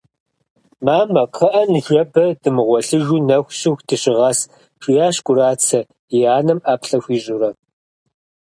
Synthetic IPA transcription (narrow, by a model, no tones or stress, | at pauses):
maːmɐqʰɐʔɐnɨʒɐbɐd̥ɨmɨʁʷɔɬɨʒuːnɐxʷɕɪxdʰɨɕɪʁɐs | ʂʼijaːɕkʷʼʊɾaːt͡sʰɐ | iaːnɐmʔaːpɬɐxʷiːʑʼʊɾɐ